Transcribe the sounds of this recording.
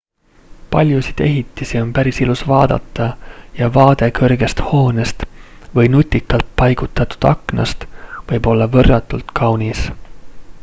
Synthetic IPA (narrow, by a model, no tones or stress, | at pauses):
pɑlʲjusid̪̥e̞ɦit̪ːˑisio̞npæɾisilusvɑːd̪̥ɑ̰t̪ˑːɑjɑvɑːd̪̥e̞kɤrɡ̥e̞st̪ho̞ːnest̪ | vɤjnut̪ʲːˑikːˑɑlt̪̚pɑjɡ̥ut̪ːˑɑt̪u̥d̪̥ɑ̰knɑ̰st̪vɤjbo̞lːɑvɤrːɑt̪ːˑult̪kʰɑwnis